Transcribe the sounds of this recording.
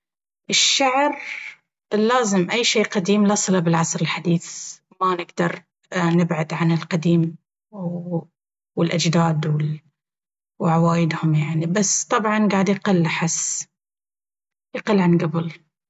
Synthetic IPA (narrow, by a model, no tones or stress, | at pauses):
ʔɪʃːaʕɾ | lːaːzɪmʔajːʃeːqad̪iːmlɑsˤlabɪlʕɑsˤɾɪlħad̪iːθ | manɪɡd̪ɑɾˤ | nɪbʕad̪ʕanɪlqad̪iːm | wɪlʔad͡ʒd̪aːd̪wɪ | wʕawaːjɪd̪hʊmjaʕnibast̪ˤɑbʕɑnɡaːʕd̪jqɪlːaħɪsː | jɪqɪlːʕanɡabɪl